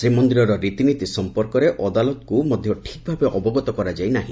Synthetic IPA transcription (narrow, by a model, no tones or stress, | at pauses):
sɾimɔnd̪iɾɔɾɔɾit̪init̪isɔmpɔɾkɔɾeʔɔd̪alɔt̪ɔkumɔd̪ʱjɔʈʰik̚bʱabeʔɔbɔɡɔt̪ɔkɔɾad͡ʒajnaɦĩ